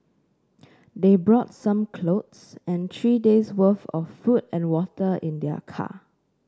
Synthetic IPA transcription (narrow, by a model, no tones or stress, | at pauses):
debɹɔtsãmkʰlotsɛ̃nt̪ʰɹideswəfɔ̰ffutɛ̃nwɔtəʔɪ̃ndɛə̰kʰa̰